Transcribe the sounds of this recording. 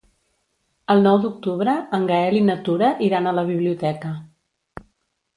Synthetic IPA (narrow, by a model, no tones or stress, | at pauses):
əlˠnɔwd̪uk̚t̪uβɾəːŋɡəɛlinət̪uɾəʔiɾanələβiβliut̪ɛkə